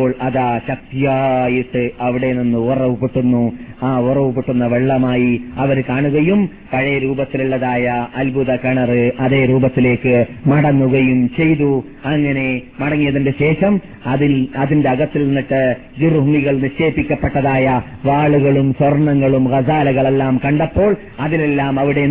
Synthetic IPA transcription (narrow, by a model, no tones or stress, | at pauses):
oːɭɐðaːɕɐk̚t̪ijaːjiʈːɨɐʋiɽe̞ninːɨːrɐʋupeʈːunːuaːurɐʋupeʈːunːɐʋeɭːɐmaːjiɐʋɐɾkaːɳuɣɐjum | pɐɻɐjɐɾuːbɐt̪ːiluɭːɐðaːjɐʔːlbʱuðɐkɐɳɐrɨʔɐðe̞ːɾuːbɐt̪ːile̞ːkːɨmɐɽɐnːuɣɐjumt͡ɕe̞jðu | ɐŋːɐne̞mɐɽɐŋːijɐðindeɕe̞ːʂɐm | ɐðiɐðinde̞ɐɣɐt̪ːilinːiʈːɨ | ɡuruɦumiɣɐɭniʂe̞ːpːikʲːɐpːeʈːɐðaːjɐʋaːɭuɣɐɭumswɐrɳɐŋːɐɭumɣɐsaːlɐɣɐɭelːaːmkɐɳɖɐpːo̞ːɭ | ɐðilelːaːmɐʋiɽe